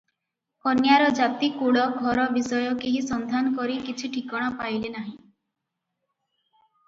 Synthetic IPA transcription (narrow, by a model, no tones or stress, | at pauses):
kɔnjaɾɔd͡ʒat̪ikuɽɔɡʱɔɾɔbisɔjɔkeɦisɔnd̪ʱanɔkɔɾikit͡ʃʰiʈʰikɔɽ̃ɔpajlenaɦĩ